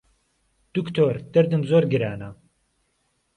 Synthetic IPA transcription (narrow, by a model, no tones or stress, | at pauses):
d̪̥ukt̪ʰoːɾd̪̥ɨɾd̪ɨmzoːɾɡɨɾaːnɐ